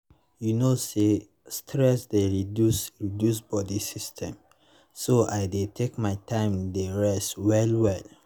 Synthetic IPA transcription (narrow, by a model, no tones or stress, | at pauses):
junose | stʰɹɛsdeɹidusɹidjusbɔdisistʰɛ̃m | soaɪdetʰekmaɪtʰãɪ̃mdeɹɛstwɛlwɛl